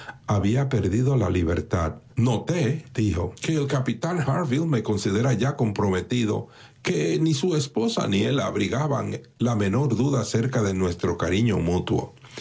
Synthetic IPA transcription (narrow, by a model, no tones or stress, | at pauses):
aβiape̞ɾðiðo̞la̰liβe̞̰ɾt̪ad̪no̞t̪ed̪̥iho̞ke̞ːlkapit̪aŋhaɾvilme̞ko̞nsiðe̞ɾaʝako̞mpɾo̞me̞t̪iðo̞̰ | ke̞nisue̞spo̞sa̰nie̞la̰βɾiɣaβa̰ŋ | lame̞no̞ɾðuðase̞ɾkaðe̞nwe̞st̪ɾo̞kaɾiɲo̞̰mut̪wo̞̰